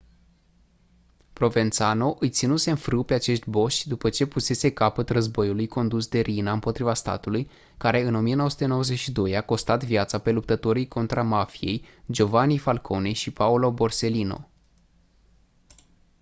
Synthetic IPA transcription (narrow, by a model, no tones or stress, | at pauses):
pɾo̞ve̞nt̪sano̞ʔɨjt̪sinuse̞nfɾɨwpe̞at͡ʃe̞ʃt̪ʲbo̞ʃʲd̪upət͡ʃe̞puse̞se̞kapət̪rəzbo̞julujko̞nd̪usd̪e̞ɾʔinaɨmpo̞t̪ɾivast̪a̰t̪uluj | kaɾe̞ɨno̞mije̞noəsu̥t̪e̞no̞wəze̞ʃid̪o̞jako̞st̪at̪vjat̪sape̞lup̚t̪ət̪o̞ɾijko̞nt̪ɾamafije̞̰jd͡ʒo̞vanifalkʰo̞nejʃipaulo̞bo̞rse̞lino̞̰